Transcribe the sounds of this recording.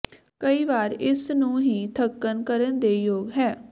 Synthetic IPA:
kəiːʋaːɾɪsnũːɦiːt̪ʰəkːənkəɾənd̪eːjoːɡɦɛː

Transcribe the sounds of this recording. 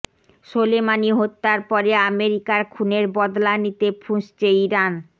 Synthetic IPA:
ʃolemaniɦot̪ːaɾpɔɾeameɾikaɾkʰuneɾbɔd̪lanit̪epʰũst͡ɕeiɾan

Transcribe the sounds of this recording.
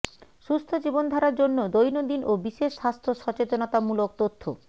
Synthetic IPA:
ʃust̪ʰod͡ʑibond̪ʱaɾaɾd͡ʑonːod̪ojnod̪inʔobiʃeʃʃast̪ʰoʃɔt͡ɕet̪onat̪amulok̚t̪ot̪ʰːo̰

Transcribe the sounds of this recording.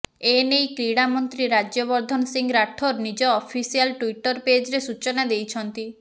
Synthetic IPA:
enejkɾiɽ̃amɔnt̪ɾiɾad͡ʒjɔbɔɾd̪ʱɔnɔsiŋɡɾaʈʰɔɾnid͡ʒɔːpʰisijalʈwiʈɔɾped͡ʒɾesut͡ʃɔnad̪ejt͡ʃʰɔnt̪i

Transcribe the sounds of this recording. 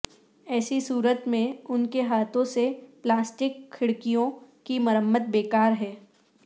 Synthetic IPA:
ɛːsisuːɾət̪mẽʊnkeɦaːt̪ʰõseplaːsʈɪkʰːɪɽkijõkimɐɾəmːət̪̚beːkaːɾɦɛː

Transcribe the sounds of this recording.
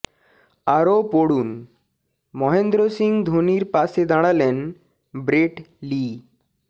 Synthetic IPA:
aɾopoɽun | mɔɦend̪ɾosiŋd̪ʱoniɾpased̪aɽ̃alen | bɾeʈ | li

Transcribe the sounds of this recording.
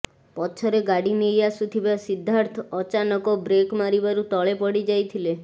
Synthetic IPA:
pɔːt͡ʃʰɔɾeɡaɽinejjasut̪ʰibasid̪ʱːaɾt̪ʰɔt͡ʃanɔkɔbɾekmaɾibaɾut̪ɔɭepɔɽid͡ʒajt̪ʰile

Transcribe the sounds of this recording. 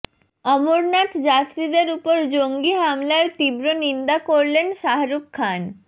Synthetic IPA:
ɔmuɾnat̪d͡ʑat̪ɾid̪eɾupoɾd͡ʑoŋɡiɦamlaɾt̪ibɾonind̪akoɾlenʃaɦaɾukkʰːan

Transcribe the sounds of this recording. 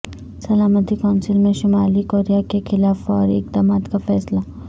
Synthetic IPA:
sɐlaːmət̪ikɔːnsɪlmẽʃʊmaːlikoːɾijakexɪlaːfɔːɾɪ̰k̚d̪aːmaːt̪kafɛːsla

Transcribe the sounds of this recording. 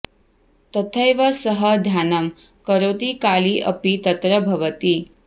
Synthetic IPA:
t̪ɐt̪ʰəjʋɐsəɦəd̪ʱjanɐm | kɐɾoːt̪ikaliʔɐ̰pit̪ɐt̪ɾəbʱɐʋət̪i

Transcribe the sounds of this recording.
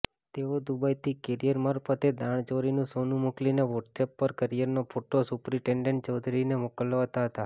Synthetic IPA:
t̪eod̪ubajt̪ʰikeɾijəɾməɾpʰət̪ed̪ʱaɳ̃d͡ʒoɾinũsonũmuklineʋɔʈsepːəɾkəɾijəɾnopʰoʈosupɾiʈeɳɖẽɳʈ̚t͡ʃɔd̪ʱɾinemokəlʋat̪aɦət̪a

